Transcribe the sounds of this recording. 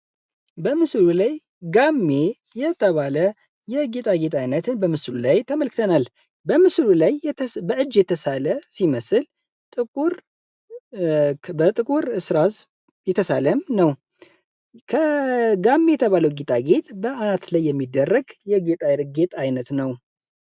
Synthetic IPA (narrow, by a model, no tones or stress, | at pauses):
bəmɨsɨlulaj | ɡamːe̞ | jɛt̪ʰəβalə | jɛɡet̪ʼaɡe̞t̪ʼajnət̪ʰɨnbəmɨsɨlulajt̪ʰəməlkɨt̪ʰənal | bəmɨslulajbəʔɨd͡ʒːjɛt̪ʰəsaləsiməsɨl | t̪ʼɨkʼuɾ | bət̪ʼɨkʼuɾɨsɾaz | jɛt̪ʰəsaləmnəw | kʰəɡamːe̞jɛt̪ʰəβaləwɡet̪ʼaɡe̞t̪ʼbəanat̪lajːɛmːid̪ːərːəɡjɛɡet̪ʼajɾɡet̪ʼajnət̪nəw